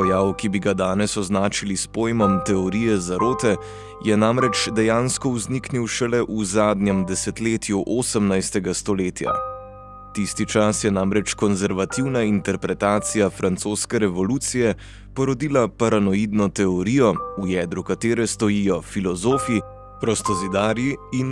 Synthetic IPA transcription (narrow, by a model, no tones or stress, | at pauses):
pɔjaːwkibiɡad̪aːnɛsɔznaːt͡ʃilispoːjmɔmt̪ɛɔɾijɛzaɾoːt̪ɛ | jɛnamɾɛt͡ʃd̪ɛjaːnskɔuznikniwʃɛlɛʔuzaːd̪nɛmd̪ɛsɛt̪leːt̪juʔoːsəmnajst̪ɛɡast̪ɔleːt̪ja̰ | t̪ist̪it͡ʃasjɛnamɾɛt͡ʃkɔnzɛɾʋat̪iwnaint̪ɛɾpɾɛt̪aːt̪sijafɾant̪soːskɛɾɛʋɔluːt̪sijɛ | pɔɾɔd̪iːlapaɾanɔid̪nɔt̪ɛɔɾiːjɔujɛːd̪ɾukat̪eːɾɛst̪ɔjiːjɔfilɔzoːfi | pɾɔst̪ɔzid̪aːɾjiin